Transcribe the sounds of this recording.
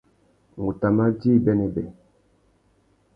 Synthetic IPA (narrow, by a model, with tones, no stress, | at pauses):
ŋu˨ta˨ma˦d͡ʒi˦˨bɛ˦nɛ˨bɛ˨